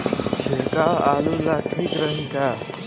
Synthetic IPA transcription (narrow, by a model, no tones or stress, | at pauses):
t͡sʰekawalulaʈʰikɾʌɦĩka